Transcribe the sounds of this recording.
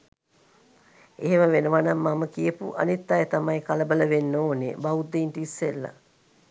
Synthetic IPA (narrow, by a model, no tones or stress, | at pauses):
eɦeməʋenəʋanamːaməkijəpṵʔa̰nit̪ːajet̪amajkaləbələʋenːoːnḛbaud̪eːnʈisːelːa̰